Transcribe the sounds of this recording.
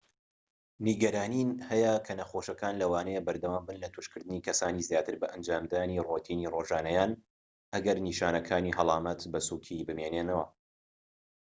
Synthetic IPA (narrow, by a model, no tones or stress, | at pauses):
niɡɐɾaːninhɛjɐkʰɐnɐxoːʃɐkaːnlɐwaːnɐjebɐɾd̪ɐwaːmbɨnlɐt̪ʰuʃkɨɾd̪ɨniːkʰɐsaːniːzjaːt̪ʰɨɾbɐʔɐnd͡ʒaːmd̪aːnirot̪ʰiːniːroːʒaːnɐjaːn | ʔɐɡɐɾniːʃaːnɐkʰaːniɦɐlˠɑːmɐt̪bɐsuːkʰibɨmeːneːnɐwɐ